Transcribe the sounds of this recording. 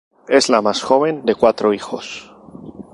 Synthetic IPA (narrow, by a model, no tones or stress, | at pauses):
e̞zlamasxo̞β̞ẽ̞nd̪e̞kwat̪ɾoixo̰s